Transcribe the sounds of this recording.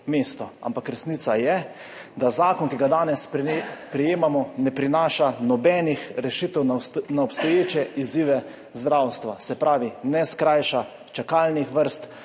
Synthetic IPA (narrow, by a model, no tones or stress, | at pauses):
mest̪ɔa̰mpakɾɛsnit̪sajɛ | d̪azaːkɔnkiɡad̪aːnɛspɾijeːmamɔnɛpɾinaːʃanɔbɛːnixɾɛʃit̪ɛwnaɔpst̪ɔjeːt͡ʃɛʔiziːʋɛ | zd̪ɾawst̪ʋasɛpɾaːʋinɛskɾajʃa | t͡ʃakalnixʋəɾst̪